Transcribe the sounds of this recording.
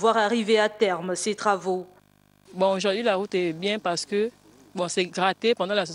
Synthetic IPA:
vwaʁaʁiveat̪ɛʁmset̪χavo | bɔ̃oʒoʁd̪ɥilaʁut̪ɛbjɛ̃paʁsə̥kə | bɔ̃sɛɡʁat̪epɑ̃d̪ɑ̃las

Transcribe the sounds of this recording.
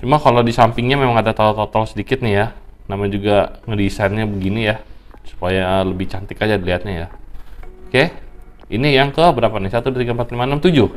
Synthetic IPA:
t͡ʃumakalodisampɪŋɲamemaŋadat̪at̪ɔt̪ɔlsədikɪt̪̚nɪjanamaɲd͡ʒuɡaŋədisanɲabəɡinijasu̥pajaələbɪht͡ʃant̪ɪkad͡ʒadiliɦat̪̚ɲaja | ke | inijaŋkəbəɾapanisat̪udat̪iɡaəmpat̪limanamt̪ud͡ʒʊh

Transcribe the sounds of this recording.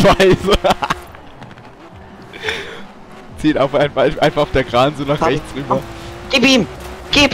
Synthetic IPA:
v̥aɪz | t͡siːtaʊfʔaɪnaɪʔaɪnfaχʊfd̥eɐɡʁaːnzoːnaχʁɛçt͡sʁyːbɐɡ̥eːbiːmɡ̥eːb

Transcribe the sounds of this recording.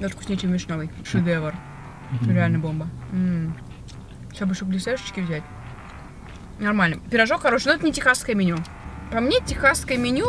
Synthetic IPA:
d̪aʂkʊsʲnʲet͡ɕemmʲɪʂnʲalˠɨjʂɨd̪ɛvər | ɾʲɪalʲnəjbo̞mbəm̩ | ʂt̪obɨʂublʲɪseʂə̥t͡ɕkʲɪvzʲætʲ | nɐrmalʲnəpʲɪɾɐʐokxɐɾoʃnoɛt̪nʲɪtʲɪxaskəjmʲɪnʲu | pɐmnʲetʲɪxaskəjəmʲɪnʲu

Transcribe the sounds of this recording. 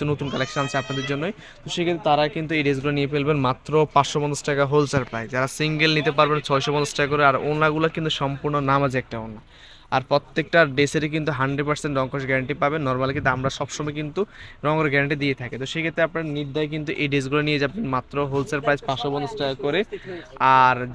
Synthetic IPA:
unot̪unkalekʃnansʰapnad̪eɾd͡ʑonːoj | t̪oʃekʰet̪ɾet̪aɾakint̪̬ueɖezɡulanijepelbenmat̪ːɾopaʃobɔnd̪osʈakaɦolsaɾpɾajd͡ʑd͡ʑaɾasiŋɡelnit̪epaɾbent͡ɕʰɔjʃobɔnd̪osʈakkoɾeaɾonːaɡulakint̪uʃɔmpuɾnonamad͡ʑʰiɛk̚ʈaonːa | aɾpɾot̪ːek̚ʈaɖeseɾik̬int̪uɦaɳɖɾeɖ̚paɾseɳʈɾɔŋkoʃɡɛɾaɳʈipabenːɔɾmalk̬int̪uamɾaʃɔbʃɔmɔjkint̪uɾɔŋɡoɾeɡɛɾaɳʈid̪iet̪ʰaket̪oʃekʰet̪ɾeapnaɾniɾd̪ʱajk̬int̪̬uʔeɖisɡulanijed͡ʑabenmat̪ːɾoɦolsaɾpɾajd͡ʑpaʃobɔnd̪osʈakakɔɾeaɾ

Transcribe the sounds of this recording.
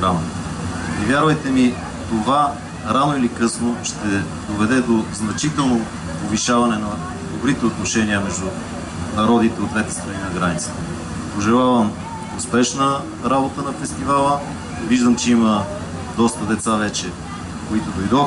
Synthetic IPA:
ɡɾam | ivʲjaɾvəjt̪ɛmi | t̪ova | ɾanoilikɤsnoʃt̪ɛ | d̪ovɛd̪ɛd̪oznɐt͡ʃit̪ɛlˠno | poviʃavɐnɛnɐ | d̪obɾit̪ɛot̪noʃɛniəmɛʒd̪u | nɐɾɔd̪it̪ɛod̪vɛt̪ɛ̥st̪ɾɐninɐɡɾanit̪sə̥t̪ə | poʒɛlˠavɐm | ʊspɛʃnə | ɾabot̪ənɐfɛst̪ivalˠə | viʒd̪əmt͡ʃɛimə | d̪ɔst̪əd̪ɛt̪savɛt͡ʃɛ | koit̪od̪ojd̪ɔ

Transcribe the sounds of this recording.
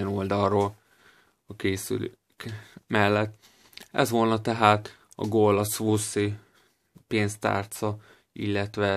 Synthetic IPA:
ɛnold̪ɒroːl | ɒkeːsy̰ly | kmɛlːɛt̪ː | ɛ̰zʋoːlnɒt̪ɛɦaːt̪ | ɒ̰ɡoːlːɒsʋusi | peːnst̪a̰ːrt̪sɒ | ḭlːɛt̪ʋɛ

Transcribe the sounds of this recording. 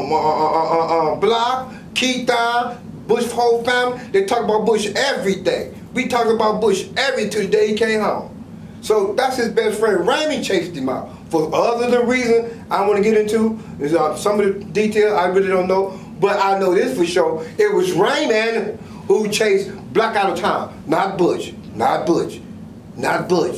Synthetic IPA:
ʌʌblɑk | kʰid̥ãn | bʊʃhoʊlˠfæ̃mðeɪtʰɔk̚əbaʊt̚b̥ʊʃɛvɹiθẽɪ | witʰɔk̚ɪ̃əbaʊt̚b̥ʊʃɛvɹitʰʉdeɪikʰẽɪ̃mɦõʊ̃m | soʊðætshɨzbɛstfɹɛ̃ndɹẽɪ̃nit͡ʃʰeɪsdɨma̰ | fə˞ʔʌðə˞ðɨ̃ɹizɨ̃nʔaɪwɑ̃nɨɡɛɾɪ̃ntʰu | ʌsʌ̃mʌɾɨditʰeɪlˠzaɪɹɪlˠidõʊ̃nːoʊ | b̥ʌɾaɪnoʊðɪsfɨʃoʊɪt̚wʌzɹẽɪ̃nænɨm | hut͡ʃʰeɪs | b̥lækaʊɾʌv̥tʰãɪ̃m | nət̚b̥ʊt͡ʃ | nət̚b̥ʊd͡ʒ | nət̚b̥ʊt͡ʃ

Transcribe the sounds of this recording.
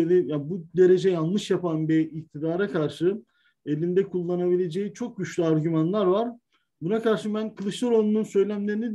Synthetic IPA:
elʲijabud̪e̞ɾe̞d͡ʒɛjanˠlˠɯʃjapanbiic̚t̪ʰid̪aːɾakʰaɾʃɯ | e̞lʲind̪ɛkʰulˠːanabilʲe̞d͡ʒejit͡ʃʰo̞k̚ɟyt͡ʃlʲyaɾɟymanlˠaɾvaɾ̥ | bunakaɾʃɯbænkʰɯlˠɯʃlˠaɾonununsø̞jlʲæmlʲe̞ɾinid̪

